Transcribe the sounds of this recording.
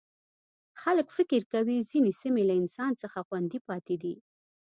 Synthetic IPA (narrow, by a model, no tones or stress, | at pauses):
xaləkfɪkɪɾkawizinesimelaɪnsɑnt͡səxaxwand̪ipɑt̪ed̪i